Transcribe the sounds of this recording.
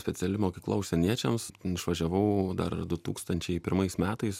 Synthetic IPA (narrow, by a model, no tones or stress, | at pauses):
sʲpʲɛt̪sʲɛlʲɪmoːkʲiːklˠɐ̰ʊʃsʲɛnʲiɛt͡ʃʲɛmsɪʃʋɐʒʲɛʋɐʊd̪ɐ̰ɾd̪ʊt̪ṵːkst̪ɐnʲt͡ʃʲɛɪpʲɪɾmɐɪsmʲæːt̪ɐɪs